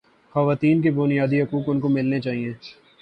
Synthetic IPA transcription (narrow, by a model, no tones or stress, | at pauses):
xɐʋaːt̪iːnk̬ebʊnijaːd̪iɦɐkuːkʊnkomɪlnet͡ʃaːɦiẽː